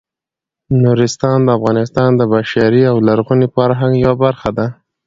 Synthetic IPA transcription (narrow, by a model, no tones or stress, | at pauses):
nuɾɪst̪ɑnd̪əafɣɑnɪst̪ɑnd̪əbaʃaɾiawlaɾɣunifaɾɦaŋɡjawabaɾxad̪a